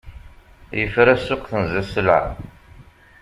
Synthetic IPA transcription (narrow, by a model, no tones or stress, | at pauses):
jəfɾæsːʊqθənzæsla̰ʕ